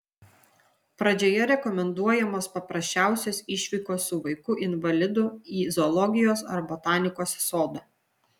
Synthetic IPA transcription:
pɾɐd͡ʒʲoːjɛɾʲɛkɔmʲɛnd̪uɔjɛmoːspɐpɾɐsʲt͡ʃʲæˑʊsʲoːsɪʃʲʋʲiːkoːsʊʋɐɪkʊʔɪnʋɐlʲɪd̪ʊiːzɔlˠɔɡʲɪjoːsɐ̰ɾbɔt̪ɑːnʲɪkoːssoːd̪ɐ

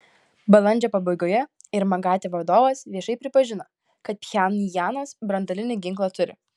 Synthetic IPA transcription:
bɐlˠɐnʲd͡ʒʲɛpɐbɐɪɡoːjɛ | ɪɾmɐɡɑːt̪ʲeʋɐd̪oːʋɐsʋʲiɛʃɐɪpʲɾʲɪpɐʒʲɪnɐ | kɐt̪̚pʲjænjæːnosbɾɐnd̪ɐlʲɪnʲɪɡʲɪŋklˠɐt̪ʊɾʲɪ̰

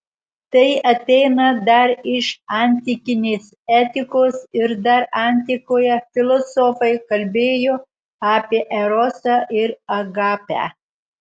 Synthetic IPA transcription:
t̪ɐɪʔɐt̪ʲɛɪnɐd̪ɐɾɪʃɐnʲt̪ʲɪkʲɪnʲeːs | æːt̪ʲɪkoːsɪɾd̪ɐɾɑˑnʲt̪ʲɪkoːjɛfʲɪlˠɔsɔfɐɪkɐlʲbʲeːjoː | ɑːpʲiɛʔɛɾɔsɑʔɪɾɐɡɑːpʲæ̰ː

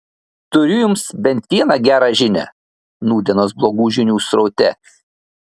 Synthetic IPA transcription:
t̪ʊɾʲʊjʊmsbʲɛnʲt̪ʲʋʲiɛnɑɡʲæːɾɑːʒʲɪnʲæ̰ː | nuːd̪ʲɛnoːsblˠoːɡuːʒʲɪnʲuːsɾɔʊt̪ʲɛ̰

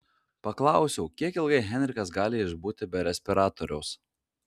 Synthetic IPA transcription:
pɐklˠɑˑʊsʲɛʊkʲiɛkɪlˠɡɐɪɦʲɛnʲɾʲɪkɐs̬ɡɑːlʲɪɪʒbuːt̪ʲɪbʲɛɾʲɛsʲpʲɪɾɑːt̪ɔɾʲɛʊs

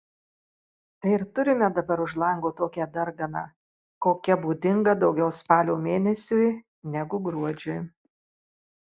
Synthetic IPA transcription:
t̪ɐɪɪɾt̪ʊɾʲɪmʲɛd̪ɐbɐɾʊʒlˠɐŋɡoːt̪oːkʲɛd̪ɐɾɡɐnɑ̰ː | koːkʲɛbuːd̪ʲɪŋɡɐd̪ɒʊɡʲɛʊspɑːlʲoːmʲeːnʲɛsʲʊj | nʲɛɡʊɡɾuɔd͡ʒʲʊj

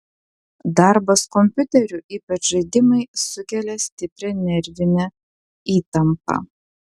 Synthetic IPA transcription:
d̪ɑˑɾbɐskɔmʲpʲʊt̪ʲɛɾʲʊʔiːpɐt͡ʃʒɐɪd̪ʲɪmɐɪsʊkʲɛlʲɛsʲt̪ʲɪpʲɾʲɛnʲɛɾʲʋʲɪnʲɛ | iːt̪ɐmpɐ̰

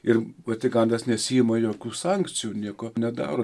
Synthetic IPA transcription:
ɪrʋɐt̪ʲɪɡɐnd̪ɐsnʲɛsʲijɪmɐjoːkʲuːsɑŋkt͡ssʲɪjuːnʲiɛkonʲɛd̪ɑ̰ːɾoː

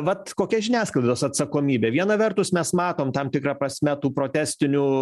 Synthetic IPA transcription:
ʋɐt̪koːkʲɛʒʲɪnʲæːsklˠɐɪd̪oːsɐt̪sɐkoːmʲiːbʲeːʋʲiɛnɐʋʲɛrt̪ʊsmʲɛsmɑːt̪oːmt̪ɐmt̪ʲɪkɾɑːpɾɐsʲmʲɛt̪uːpɾoːt̪ʲæːsʲt̪ʲɪnʲuː

